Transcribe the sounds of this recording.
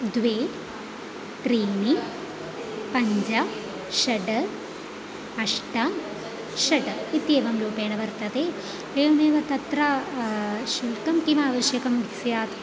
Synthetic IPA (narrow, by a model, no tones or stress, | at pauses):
d̪ʋeː | ʈɾiːni | pɐɲd͡ʒɐ | ʃɐɖɐ | ɐʂʈɐ | ʃɐɖit̪jeːʋɐmluːpeːɳɐʋɐɾt̪ɐd̪e | eːneːʋɐt̪ɐt̪ɾɐ | ʃulkɐmkimaːʋɐʃjɐkɐmiksjaːt̪